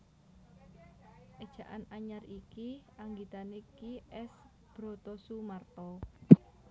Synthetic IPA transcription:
ʔed̥ʒ̥a̤ʔanaɲarikiaŋɡit̪anekiʔɛs | b̥ɾɔ̤t̪ɔsumart̪ɔ

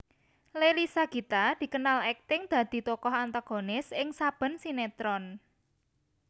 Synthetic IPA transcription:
lelisaɡ̥i̤t̪ad̪̥i̤kənalɛk̚t̪ɪŋd̪̥ä̤d̪̥i̤t̪okɔɦant̪aɡ̥o̤nɪsɪŋsab̥ə̤nsinet̪ɾɔn

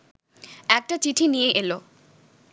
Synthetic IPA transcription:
ɛk̚ʈat͡ɕiʈʰinijeʔelo

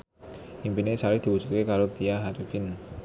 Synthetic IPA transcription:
impinesaɾɪk̚d̪̥i̤wu̥d͡ʒut̪̚kekaɾot̪iaɦaɾifɪn

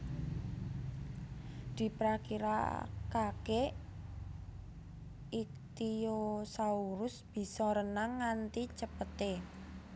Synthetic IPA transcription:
d̪̥i̤pɾakiɾa̰kake | it̪iosauɾʊsb̥i̤sɔɾənaŋːant̪it͡ʃəpət̪e

